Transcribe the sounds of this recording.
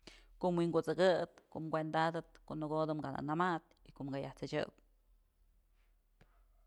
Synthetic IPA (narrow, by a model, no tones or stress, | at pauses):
koʔmwiŋɡot͡sɨɡɨt̪koʔmɡʷend̪ad̪ɨt̪koʔnɨɡod̪ɨmɡana̰namat̪ikoʔmɡajaht͡sɨt͡ʃɨ̰t̪